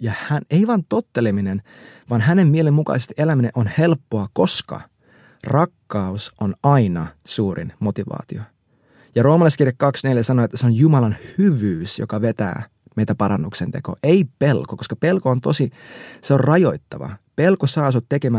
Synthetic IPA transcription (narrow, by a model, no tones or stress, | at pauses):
jɑhæneiʋɑnt̪ot̪ːeleminen | ʋɑnɦæne̞mːielemːukɑ̰isest̪iʔelæmineʔonhe̞lpːoɑkoskɑ̰ | rɑkːɑusonɑinɑsuːrḭnmo̞t̪iʋɑ̰ːt̪io | jɑro̞ːmɑlɑiskirjekkɑksneljæsɑnoet̪ːæseonjumɑlɑnhyʋyːsjo̰kɑʋet̪æ̰ː | meit̪æpɑɾɑnːuksent̪e̞̰ko̞̰ːʔeipelkoko̞skɑpe̞lkoːnt̪o̞siseorrɑjo̞it̪ːɑʋɑ̰pe̞lkosɑːs̬ot̪ːe̞kemæ